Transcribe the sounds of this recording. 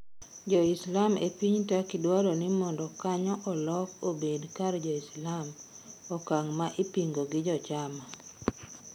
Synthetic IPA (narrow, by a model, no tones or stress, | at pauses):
d͡ʒɔɪslamepiɲtakɪdwalɔnɪmɔndɔkaɲɔʔɔlɔkobedkard͡ʒɔislam | ɔkaŋmaʔɪpiŋɡoɡɪd͡ʒɔt͡ʃama